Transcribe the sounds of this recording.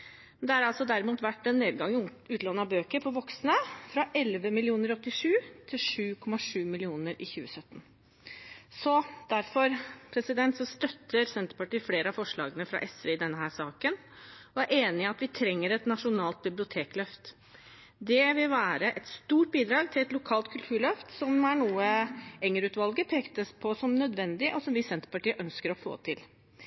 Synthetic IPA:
mɛnd̪ɛæɾɑlsɔd̪æɾɪmuːt̪ʋæʈːɛnːeːd̪̚ɡɑŋːʉːt̪lɑːnɑbøːkəɾpʰɔʋɔksnəfɾɑʔɛlʋəmɪlɪuːnəɾɔt̪ːɪʂʉːt̪ʰɪlʂʉːkʰɔmɑʂʉːmɪlɪuːnəɾɪçʉːəsœt̪ːən̩ | sɔd̪̥æɾfɔɾpʰɾɛsɪd̪ɛnt̪sɔmst̪œt̪ʰːəɾsɛnt̪əɾpɑʈiːfleːɾəɑfɔʂɭɑ̰ːɡənəfɾɑ̰ʔɛsɾeɪd̪ɛnːəɦæːʂɑːkən | ɔæɾʔeːnɪɪɑt̪ʋɪt̪ʰɾɛŋːəɾɛt̪nɑʂʊnɑːlt̪̚bɪblɪʊt̪ʰeːklœft̪ | d̪ɛʋɪlʋæːɾəʔɛt̪st̪uːʈ̚biːd̪ɾɑːɡt̪ʰɪlɛt̪lʊkʰɑːlt̪kʰʉlt̪ʰʉːɭœft̪sɔmæɳuːəɛŋːəɾʉːt̪ʋɑlɡəpʰeːkt̪əspʰɔsɔmnœd̪ʋɛnd̪ɪʔɔsɔmʋɪsɛnt̪ə̥pɑʈiːəʔœnskəɾɔfo̰ːt̪ʰɪl

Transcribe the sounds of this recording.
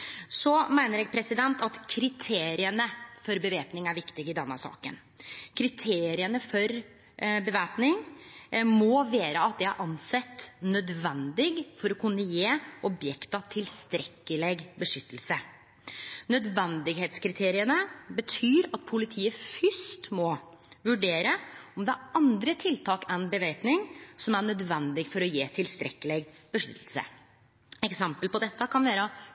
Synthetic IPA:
sɔmæɪnəɾjɛːɡ̚pʰɾɛsɪd̪ɛnt̪ɑt̪kʰɾɪt̪ʰeːɾɪənəfɔɾbəʋeːpnɪŋæɾʋɪkt̪ɪɡɪd̪ɛnːəɑsɑ̰ːkə̰n | kʰɾɪt̪ʰeːɾɪənəfɔɾ | bəʋæːpnɪŋ | mɔʋeːɾəɑt̪̚d̪ɛɑɾʔɑnsɛt̪ːnœd̪ʋɛnd̪ɪɡfɔɾɔkʰʉnːəjeːʔɔbjɛkt̪ɑt̪ʰɪlst̪ɾɛkːəlɛɡbəʂʏt̪ːəl̩sə | nœd̪ʋɛnd̪ɪɡɦeːt̪skʰɾɪt̪ʰeːɾɪənəbət̪ʰyːɾɑt̪̚pʰʊlɪt̪ʰiːəfʏʂt̪mɔ | ʋʉɖeːɾəɔmd̪ɛæɑnd̪ɾət̪ʰɪlt̪ʰɑːkɛnbəʋeɪt̪nɪŋsɔmæɳœd̪ʋɛnd̪ɪɡfɔɾɔjeːt̪ʰɪlst̪ɾɛkːəlɛɡb̥əʂʏt̪ːəlsə̰ | ɛksɛmpəlpɔd̪ɛt̪ːəkʰɑnʋæːɾə

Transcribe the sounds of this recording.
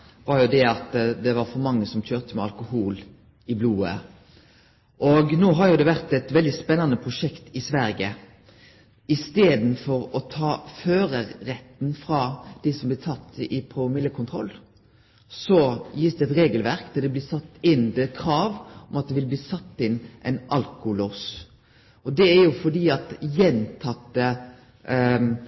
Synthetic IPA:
ʋɑɾjʊd̪ɛɑt̪d̪ɛʋɑɾfɔɾmɑŋːəsɔmc͡çøːʁt̪əmɛɑlkʊhuːl | ɪbluːə̰ | ʔɔɡnoːɦɑɾjʊd̪ɛʋæɾt̪ɛt̪ʋɛld̪ɪspɛnːɑnəpʰʁʊʂɛkt̪ɪsʋæɾɡə | ɪst̪eːd̪n̩fɔɾɔt̪ʰɑːføːɾəːɛt̪ːn̩fɾɑd̪̥ɪsɔmblɪːt̪ʰɑt̪ːɪpʰʊmɪlːəkʰʊnt̪ʰʁɔ̰lː | sɔjɪːsd̪ɛɛt̪ɾeːɡəlʋæɾkd̪ɑd̪ɛblɪːsɑt̪ːɪnːd̪ɛkʰɾɑːʋɔmɑt̪̚d̪ɛʋɪlbliːsɑt̪ːɪnʔɛnʔɑlkʊloːs | ʔɔd̪ɛæɾjʊfɔd̪iːɑt̪jɛnt̪ʰɑt̪ːə

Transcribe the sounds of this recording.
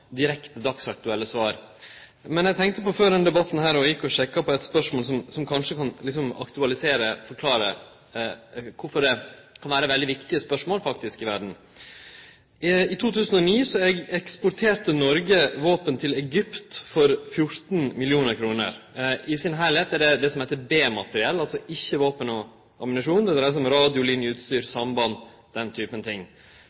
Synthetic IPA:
d̪ɪɾɛkt̪əd̪ɑksɑk̚t̪ʉɛlːəsʋɑːɾ | mɛnɛɡt̪ʰɛŋkt̪əpɔføːɖ̪ɛnd̪ɛbɑt̪n̩hæːɾɔjɪkːɔɕɛkːɑpʰɔɛt̪spœʂmoːlsɔmsɔmkʰɑnʂəkʰɑnlɪksɔmɑ̰kt̪ʉɑlɪseːɾəfɔɾkʰlɑːɾə̰ | kʰʊɾfɔɖɛkʰɑnʋæːɾəʋɛld̪ɪʋɪkt̪ɪəspœʂmoːlfɑkt̪ɪskɪʋæɖɳ̩ | ɪt̪ʰuːt̪ʰʉːsənɔniːsɔɛɡɛkspʊɾʈ̪ʰeːɾʈ̪ənɔɾɡəʋoːpənt̪ʰɪlɛɡʏpt̪fɔɾfjʊɾt̪nmɪlɪuːnəɾkʰɾuːnə̰ɾɪsɪnɦæɪɭheːt̪æɖɛd̪ɛsɔmhɛɪt̪ːəbeːmɑt̪əɾɪɛlːɑlsɔʔɪçːəʋoːpənɔ | ɑmɪnɑʂuːnd̪ɛd̪ɾæsɔmɾɑːd̪ɪʊlɪnjəʉːt̪st̪yːɾsɑmbɑn | d̪̥ɛnt̪ʰyːpənət̪ʰɪŋː

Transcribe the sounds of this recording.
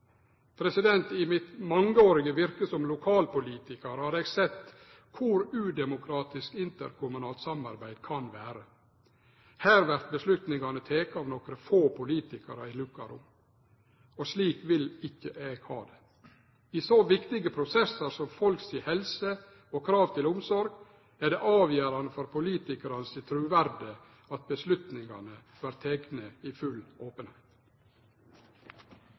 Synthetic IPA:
pʰɾɛsɪd̪ɛnt̪ɪmɪt̪mɑŋəoːɾɪɡəʋɪɾkəsɔmlʊkʰɑːlpʊliːt̪ɪkɑɾhɑːɾɛɡsɛt̪ː | kʰʊɾʉːd̪ɛmʊkʰɾɑːt̪ɪskɪnt̪ə̰ɾkʰʊmʉnɑːlt̪sɑmɑ̰ɾbæɪd̪̥kʰɑnʋæːɾə | hæːɾʋæɾt̪̚bəslʉt̪nɪŋɑnət̪ʰeːkɑʋnɔkɾəfoːpʰʊliːt̪ɪkɑɾəɪlʉkɑɾʊ̰m | ɔsliːkʋɪlɪkːəʔeːɡ̥hɑ̰ːd̪ɛ | iːsoːʋɪkt̪ɪɡəpʰɾʊsɛsɑɾsɔmfɔlksihɛlsə | okʰɾɑːʋt̪ʰɪlʊmsɔɾɡ | æɖɛʔɑːʋjæːɾɑnəfɔɾpʰʊliːt̪ɪkəɾɑnəsɪt̪ʰɾʉːʋæɾd̪ə | ɑt̪̚bəslʉt̪nɪŋɑ̰nəʋɑɾt̪ʰɛɡnəifʉloːpənhæɪt̪

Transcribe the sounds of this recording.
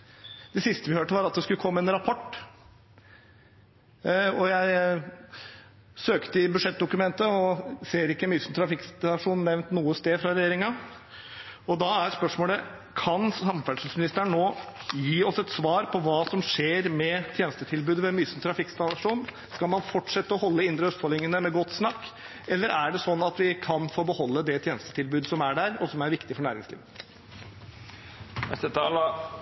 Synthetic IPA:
d̪̥ɛsɪst̪əʋɪhøːʈːəʋɑɾɑt̪̚d̪ɛskʉləkʰɔmːəɛnɾɑpʰɔʈː | ɔjæɪ | søːkt̪əɪbʉʂɛt̪̚d̪ʊkʉmɛnt̪əɔseːɾɪkːəmyːsn̩t̪ʰɾɑfɪkːst̪ɑʂuːnnːɛʋnt̪nuːəst̪eːfɾɑɾɛjeːɾɪŋɑ | ɔd̪ɑæɾspœʂmoːlə | kʰɑnsɑmfæʂl̩smɪnɪst̪əɳːoːjiːɔsɛt̪sʋɑːɾpʰɔʋɑːsɔmʂeːɾmɛt̪ʰjeːnst̪ət̪ʰɪlbʉːd̪ʋɛmyːsmət̪ʰɾɑfɪkːst̪ɑɑʂuːn | skɑlmɑnfɔʈʂɛt̪ːəɔhɔlːəɪnd̪ɾəœst̪fɔɭɪŋənəmɛɡɔt̪ːsnɑkː | ɛlːəɾæɖɛsɔnːɑt̪ʋɪkʰɑnfoːbəhɔlːəd̪ɛt̪ʰjeːnəst̪ə̥t̪ʰɪlbʉːd̪əsɔmæɖæɾɔsɔmæɾʋɪkt̪ɪfɔɳæːɾɪ̰ŋsliːʋə | nɛst̪ət̪ɑːl

